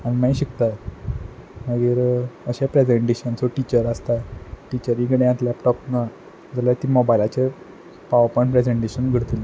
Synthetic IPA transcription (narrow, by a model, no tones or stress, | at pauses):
añimaiɕikt̪a | məɡiːɾəɕapɾed͡zeɳʈeɕənsoʈit͡ɕəɾəst̪aʈit͡ɕəɾikɽẽãt̪lɛpʈɔpna | d͡zaljat̪iːmobajlat͡ɕe | paʋəɾpɔɳʈpɾed͡zeɳʈeɕənɡʱəɽt̪il